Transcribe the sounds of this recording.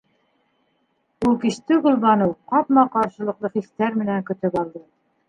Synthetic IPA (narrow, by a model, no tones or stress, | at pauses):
ulˠkĭʃt̪ɘɡŏlˠβɑnɤwqɑpmɑqɑɾʃɤ̆lˠɤ̆qlˠɤχist̪æɾmɘ̆næŋkɵ̆t̪ɵpɑlˠd̪ɤ